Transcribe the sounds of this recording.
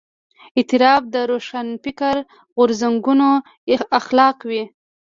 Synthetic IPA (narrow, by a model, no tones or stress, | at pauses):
ɪt̪ɪɾɑb̚d̪əɾoʃanpɪkaɾ | ɣʊɾzaŋɡuno | axlɑqwi